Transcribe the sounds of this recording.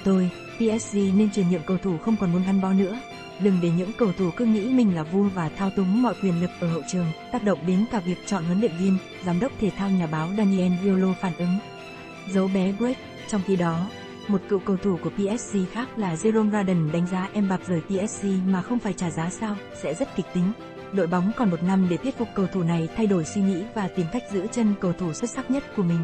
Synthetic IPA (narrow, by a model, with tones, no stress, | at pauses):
t̪o˧j | pi˧ʔɛ˦˥s̚i˧ne˧nt͡ɕwi˨˩ənɲḭ˧˨əmkə˧wt̪ʰu˧˩xə˧wŋ͡mkɔ˨˩nmu˨˦ənʔa˧ŋɓa˨˦wnɨ̰˧˥ə | zɨ˨˩ŋve˨˩ɲɨ̰˧˥ŋkə˧wt̪ʰu˧˩kɨ˨˦ŋḭ˧˥mï˨˩ŋ̟laː˨˩vu˧əvaː˨˩t̪ʰaː˧wt̪ʊ˨˦ŋ͡mmɔ̰˧˨jkwi˧˩ənlɨ˨˩k̚ʔəː˧˩hə̰˧˨wt͡ɕɨ˨˩əŋt̪aː˦˥k̚ɗə̰˧˨wŋ͡mɓi˨˦nkaː˧˩vi˨˩ək̚t͡ɕɔ̰˧˨nhə˨˦nɗḭ˧˨ŋvi˧m | zaː˨˦mɗə˦˥wk͡p̚t̪ʰe˨˩t̪ʰaː˧wɲaː˨˩ɓaː˨˦wɗaː˧ni˧ʔɛ˧nzi˧lo˧faː˧˩nʔɨ˨˦ŋ | zə˨˦wɓɛ˨˦kwi˦˥t̚ | t͡ɕɔ˧wŋ͡mxi˧ɗɔ˨˦ | mo˨˩t̚kɨ̰˧˨kə˧wt̪ʰu˧˩ku˧˩əpi˧ʔɛ˦˥s̚si˧xaː˦˥k̚laː˨˩zi˧zo˧nzaː˧ɗə˨˩nɗa˨˦ŋ̟zaː˨˦ʔɛ˧mɓa˨˩p̚zəː˨˩jpi˧ʔɛ˦˥s̚si˧maː˨˩xə˧wŋ͡mfaː˧˩jt͡ɕaː˧˩zaː˨˦saː˧w | sɛ̰˧˥zə˦˥t̚kï˨˩k̟̚t̪ï˨˦ŋ̟ | ɗo̰˧˨jɓa˨˦wŋ͡mkɔ˨˩nmo˨˩t̚na˧mɗe˧˩t̪ʰi˦˥ət̚fʊ˨˩k͡p̚kːə˧˩wt̪ʰu˧˩na˨˩jt̪ʰa˧jɗo˧˩jswi˧ŋḭ˧˥vaː˨˩t̪i˨˩mka˦˥jk̟̚zɨ̰˧˥ət͡ɕə˧nkə˧wt̪ʰu˧˩swə˦˥t̚sa˦˥k̚ɲə˦˥t̚ku˧˩əmï˨˩ŋ̟